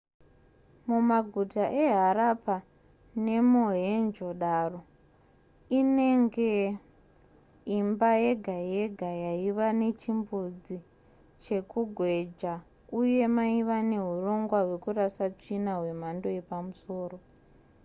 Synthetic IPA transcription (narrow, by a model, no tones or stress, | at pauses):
mumaɡʱutaʔe̞ɦaɾapa | ne̞moɦend͡ʒo̞ɗaro̞ | ine̞ŋɡe̞ | imbaje̞ɡʱajeɡʱajaiʋane̞t͡ʃimbud͡zi | t͡ʃe̞kuɡʱwe̞d͡ʒa | uje̞maiʋane̞ɦuro̞ŋɡwaɦwe̞kurasat͡ʂinaɦwe̞m̤ando̞e̞pamuso̞ːro̞